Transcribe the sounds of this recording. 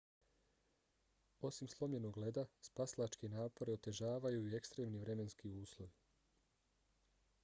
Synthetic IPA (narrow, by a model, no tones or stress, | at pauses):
o̞simslˠo̞mʎe̞no̞ɡle̞d̪aspaslˠat͡ʃkenaːpo̞ɾe̞o̞t̪e̞ʒaːʋajuie̞kst̪ɾe̞ːmniʋɾe̞me̞nskiuːslˠoʋi